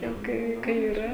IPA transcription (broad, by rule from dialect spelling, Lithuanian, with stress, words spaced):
jɛʊ ˈkɐɪ ˈkɐɪ ɪˈrɐ